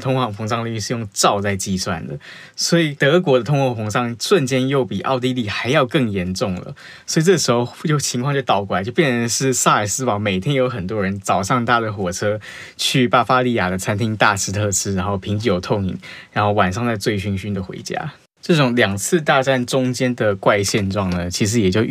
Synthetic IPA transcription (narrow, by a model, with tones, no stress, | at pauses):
t̪ʰʊ˥ŋkʰwɑ˥˩ŋfɤ˧˥ŋʂɑ˥˧ŋli˥˧ʂɻ̩˥˧jʊ˥˧ŋʈ͡ʂɑ˥˧ʊt͡sa˥˧ɪt͡ɕi˥˧swa̰˥˩nd̪ə̰˩ | swɔ˧˥i˨˩t̪ɤ˧˥k̬wɔ˧˥d̪ə˧ʊ˥ŋxwɑ˥˩ŋfɤ˧˥ŋʂɑ˥˧ŋʂwə˥˨nt͡ɕjɛ˥njo˥˩ʊpi˨˩ʔɑ̰˥˧ʊt̪i˥li˥˩xa˧˥ɪjɑ˥˧ʊkɤ˥˩ŋjɛ˧˥nʈ͡ʂʊ˥˩ŋlə̰˩ | swɔ˧˥i˨˩ʈ͡ʂɤ˥˩ʂɻ̩˧˥xo˥˧ʊjo˧˩ʊt͡ɕʰi˧˥ŋkʰɑ˥˧ŋt͡ɕo˥˩ʊt̪ɑ˨˩ʊkwa˨˩˦t͡ɕjo˥˧ʊpjɛ˥˩nɻə˧˥nʂɻ̩˥˧sa˥˩ə˨˩sɹ̩˥pɑ˨˥ŋme˨˩ɪt̪ʰjɛ˥njo˧˥ʊxə˨˩nt̪wɔ˦˥ɻə˧˥nt͡sɑ˨˩ʊʂɑ˥˧ŋt̪ʰa˥˩də˩xwɔ˨˩ʈ͡ʂʰɤ˥ | t͡ɕʰy˥˩pa˥fa˥li˥˩ja˨˩d̪ə˩t͡sʰa˥nt̪ʰi˥ŋt̪a˥˧ʂɻ̩˥t̪ʰɤ˥˧ʂɻ̩˥˩a˧˥nxo˥˩ʊpʰi˧˥ŋt͡ɕi˧˥jo˨˩ʊt̪ʰo˥˩ŋḭ˨˩ŋɻa˧˥nxo˥˩ʊwa˨˩nʂɑ˥˧ŋt͡sa˥˧ɪt͡swe˥˩ɪɕy˥nŋɕy˥nd̪ə˩xwḛ˧˥ɪt͡ɕja̰˥ | ʈ͡ʂɤ˥˩ʈ͡ʂʊ˨˩ŋljɑ˨˩ŋt͡sʰɹ̩˥˧t̪a˥˧ʈ͡ʂa˥˩nʈ͡ʂʊ˥ŋt͡ɕjɛ˥nd̪ə˨kwa˥˧ɪɕjɛ˥˧nʈ͡ʂwɑ˥˨˩ŋnə˩t͡ɕʰi˧˥ʂ̬ɻ̩˧˥jɛ˨˩t͡ɕjo˥˧ʊ